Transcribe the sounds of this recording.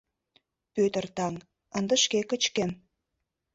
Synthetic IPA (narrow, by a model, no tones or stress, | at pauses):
pøt̪ə̆rt̪ɑŋ | ə̆nd̪ə̆ʃkekə̆t͡ɕkem